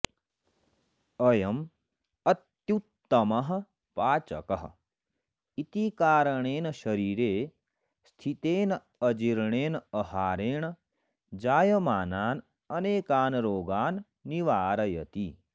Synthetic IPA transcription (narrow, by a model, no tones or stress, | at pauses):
ɐjɐm | ɐt̪jut̪ːɐmɐɦ̆ | paːt͡ʃɐ̰kɐɦ | it̪ikaːɾɐɳeːnʃɐɾiːɾeː | st̪ʰit̪eːn | ɐd͡ʒiɾɳeːnɐhaːɾeːɳ | d͡ʒaːjɐmaːnaːn | ɐneːkaːnɾoːɡaːnː | iʋaːɾɐjɐ̰t̪i